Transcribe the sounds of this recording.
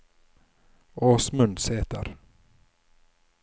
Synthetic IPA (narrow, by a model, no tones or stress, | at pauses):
ɔːsmɵnd̪sɛːt̪a̰ɾ